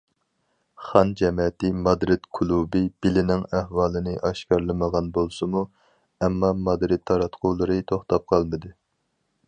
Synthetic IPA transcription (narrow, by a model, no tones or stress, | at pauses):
χɑnd͡ʒɛmɛt̪ɪmɑd̪ɾɪt̪kʰulˠubɪb̥ɪlɪnɪŋæhwɑːlˠɨnɨʔɑʃkɑɾlˠɨməʁɑnbolˠsɨmu | ɛmːɑmɑd̪ɾɪd̪̚ʰːɑɾɑt̪qʰʊːlˠɨɾɨt̪ʰoχt̪ɑp̚qʰɑlˠmɨd̪ɨ